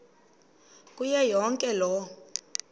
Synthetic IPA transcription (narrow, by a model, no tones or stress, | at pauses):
kʼujɛjɔŋkʼɛlɔ